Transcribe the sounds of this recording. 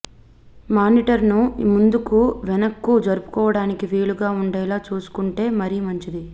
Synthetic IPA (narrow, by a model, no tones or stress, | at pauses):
maːniːʈɐɾnumund̪ukuʋɛnɐkːuːd͡ʒɐɾupu̥kɔːʋɐɽaːnikiʋeːɭuɡaːuɳɖɛːlaːt͡ʃuːsu̥kuɳʈe̞ːmɐɾiːmɐɲt͡ʃid̪i